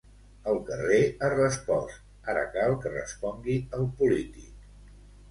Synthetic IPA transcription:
əlˠkəreərəspɔst | aɾə̰kalˠkərə̰spɔŋɡiəlˠpulit̪ik

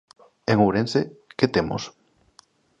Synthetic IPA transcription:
eŋuɾenseket̪emo̰s

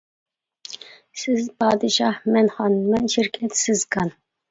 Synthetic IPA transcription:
sɪzpʰɑːd̪ɨʃɑhmɛnχɑnmɛnʃiɾkʰʲɛt̪sɪzkʰɑn

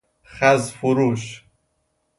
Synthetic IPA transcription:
χæzfuɾuʃ

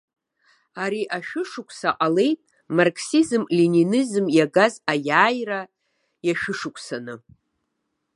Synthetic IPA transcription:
aɾiʔaʃᶣʊʂʊkʷʼʰsaqʼale̞jtʼ | markʰsizɨmlininizɨmjaɡazajaːjra | jaʃᶣʊʂʊkʷʰʼsanɨ

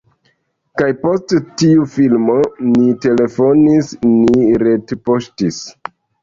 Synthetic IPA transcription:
kajpo̞sttiufilmo̞nite̞le̞fo̞nisniɾe̞tpoʃtis

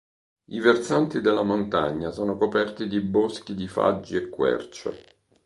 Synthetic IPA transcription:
ivert̪sant̪id̪elːamont̪aɲːasɔːnokopɛrt̪id̪ibosk̟id̪ifa̰d͡ʒːiekːwɛ̰rt͡ʃḛ

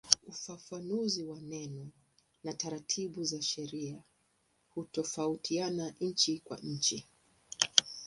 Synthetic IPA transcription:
ufafanuziwanɛnɔ | nataɾatʰiɓuzaʃɛɾia | hutɔfautʰianaɲ̩t͡ʃikwa̰ɲ̩t͡ʃi

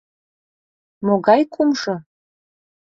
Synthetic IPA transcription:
moɡɑjkʰʼumʐə̆

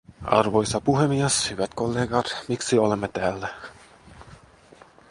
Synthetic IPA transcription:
ɑ̰rʋo̞jsɑpuɦemieshyʋæt̪kolːeːɡɑt̪miksiolemːet̪æːlːæ

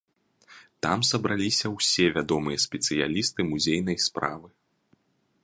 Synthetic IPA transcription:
t̪amsɐbɾalʲisʲɐwsʲɛvʲad̪ɔmɨjɛsʲpʲɛt̪sɨja̰lʲist̪ɨmuzʲejnɐjspɾa̰vɨ

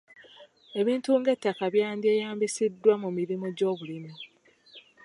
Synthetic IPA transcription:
e̞βiːntuŋɡe̞tːakaβjaːndie̞ːjaːmbisidːwamumiɾimoɟo̞ːβulimi

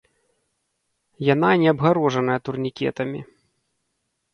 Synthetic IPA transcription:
jan̪anʲɛɐbɣaɾɔʐɐnɐjɛt̪urnʲikʲɛ̰t̪ɐmʲḭ

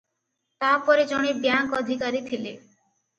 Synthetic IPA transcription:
t̪apɔɾed͡ʒɔɽ̃ibjaŋkɔd̪ʱikaɾit̪ʰile

